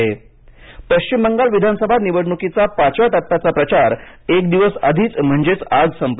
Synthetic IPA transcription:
e | pəɕt͡ɕimːəŋɡalʋid̪ʱansəbʱaniʋəɽɳukit͡sapat͡ɕʋaʈət̪ːat͡sapɾət͡ɕaɾekd̪iʋəsəd̪ʱiːt͡sm̤əɳd͡zet͡saɡsəmp

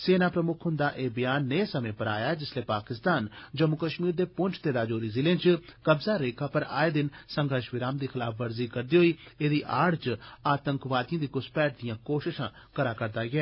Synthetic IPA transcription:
seːnaːpɾəmʊkʰɦʊnd̪aːʔeːbəjaːnːeːsəmẽːpəɾa̰ːjaːɛd͡ʒɪsleːpaːkɪst̪aːnd͡ʒəmʊkəʃmiːɾd̪eːpʊ̃ɲt͡ʃt̪eːd̪aːd͡ʒoːɾiːzɪlẽːnt͡ʃkəbzaːɾeːkʰaːpəɾa̰ːed̪ɪnsəŋɡʱəɾʃʋɪɾaːmd̪iːxɪlaːfʰʋəɾziːkəɾd̪iːɦoiːeːd̪iːʔaːɽt͡ʃaːt̪əŋkʋaːd̪ijãːd̪iːkʊspɛːʈ̚d̪ɪjãːkoːʃɪʃãː | kəɾaːkəɾd̪aːɡɪɛː

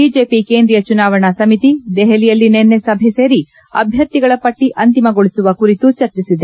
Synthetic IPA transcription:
biːd͡ʒe̞ːpikeːnd̪ɾijɐt͡ʃunaːʋɐɳɐsɐmit̪id̪ɛɦɛlijɐlːinenːesɐbʱese̞ːɾi | ɐ̰bʱjɐɾt̪iɡɐɭɐpɐʈːiʔɐnt̪imɐɡoɭisuʋɐkuɾit̪ut͡ʃɐɾt͡ʃisid̪e

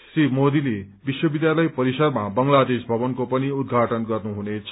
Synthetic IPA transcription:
simod̪ilebiswʌbid̪jalʌjpʌɾisʌrmabʌŋlad̪esbʱʌbʌnkopʌniud̪ɡʱaʈʌnɡʌrnuɦunet͡sʰ

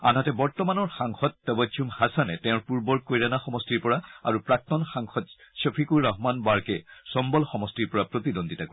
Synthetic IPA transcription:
a̰natɛbɔɹtɔmanɔɹxaŋxɔtːɔbɔtʰːumhasanɛtɛʊ̃ɹpuɹbɔɹkojɹanaxɔmɔstiɹpɔɹaaɹupɹak̚tɔnxaŋxɔt̚sɔpʰikuɹːaɦmanbaɹkɛsɔmbɔlxɔmɔstiɹpɔɹapɹot̪idonditako

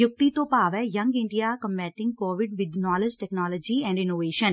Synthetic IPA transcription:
jʊk̚t̪it̪opaːʋɛjɐ̃ŋɡɪ̃ɳɖijaːkə̃mbɛːʈɪ̃ŋɡ̚koːʋɪɖʋɪd̪naːled͡ʒʈɛknaːləːd͡ʒiɛ̃ːɳɖɪnoːʋeːʃən

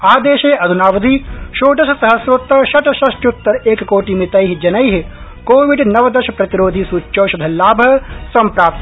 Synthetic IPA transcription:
aːd̪eːʃeːʔɐd̪ʱunaːʋɐd̪ʱiʃoːɖɐʃɐsɐɦɐsʋɐt̪ɐʃɐʈɐʃɐʃʈut̪ːɐɾeːkɐkoːʈimet̪ɐjɦid͡ʒɐnɐjɦi | koːʋiɖnɐʋɐd̪ɐʃɐpɾɐt̪iɾoːd̪ʱisuːt͡ʃːʃɐːʃɐd̪ʱɐlaːbʱɐsɐmpɾaːp̚t̪

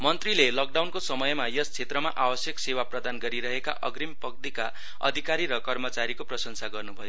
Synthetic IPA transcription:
mʌnt̪rilelʌk̚ɖawnkosʌmʌjmajʌst͡sʰet̪rʌmaʔabʌsjʌksewaprʌd̪anɡʌɾiɾʌɦeka̰ʔʌɡrimpʌk̚d̪ika | ʌ̰d̪ʱikaɾiɾʌkʌrmʌt͡saɾikoprʌsʌnsaɡʌrnubʱʌjo

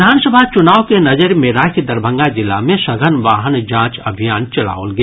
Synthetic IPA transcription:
d̪ʱaːnsəbʱat͡ʃʊnaːʋkenɐd͡ʒəɾmẽɾakid̪ɐɾbʱə̃ŋɡad͡ʒɪlːa̰mẽʃɐɡʱənʋaːɦənd͡ʒãːt͡ʃɐbʱijaːnt͡ʃɐla̰ːo̰lɡe

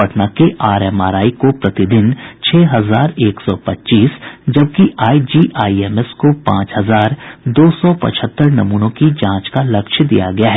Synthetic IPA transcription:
ɐʈnakeʔaːɾɛːma̰ːɾaːikopɾɐt̪ɪd̪ɪnt͡ʃʰɛːɦɐzaːɾeːksɔ̰ːpɐtːt͡ʃiːsd͡ʒɐb̚kiʔaːid͡ʒiːʔaːiɛːmɛskopãːt͡ʃɦɐzaːɾd̪oːsɔpɐ̰t͡ʃʰət̪ːəɾnɐmuːnõkid͡ʒãːt͡ʃkalɐkʃd̪ḭja̰ɡɐjaɦɛ

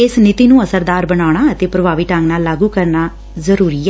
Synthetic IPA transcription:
ɪsnɪt̪iːnũːəsəɾd̪aːɾbənaːɽ̃aːət̪eːpɾəʋaːʋiːʈəŋɡnaːlːaːɡuːkəɾnaː | zəɾuːɾiː

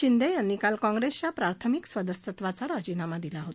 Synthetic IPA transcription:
ind̪ʱejanːikalkɔ̃ŋɡɾest͡ɕjapɾaɾt̪ʰəmiksʋəd̪əsət̪ʋat͡saɾad͡ʑinamad̪ilaɦot̪

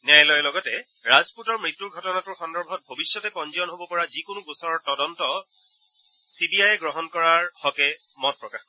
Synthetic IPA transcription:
nɛjlɔjɛlɔɡɔtɛ | ɹazputɔɹmɹitːuɹɡʱɔtɔnatʊɹxɔndɔɹbʱɔt̚bʱobisjɔtɛpɔnziɔnɦobɔpɔɹazikonubosɔɹɔɹtɔdɔntɔ | sibiajɛɡɹɔɦɔnkɔɹaɹhɔkɛ | mɔt̚pɹɔkax

